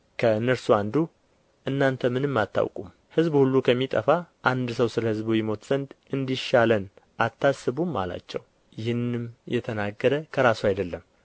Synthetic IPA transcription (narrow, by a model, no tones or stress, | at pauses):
kʰəɨnːəɾsuand̪u | ʔɨnːant̪ʰəmɨnɨmːat̪ʰːa̰wkʼum | hɨzbhulːukʰəmːit̪ʼəfaʔand̪səwsɨləhɨzbujɪmo̞t̪z̥ənd̪ | ɨnd̪iʃalənʔat̪ːasːɨβumːa̰la̰t͡ʃːɛw | jɪhɨnɨmjɛ̰t̪ʰənaɡːəɾəkʰəɾasuajd̪əlːəm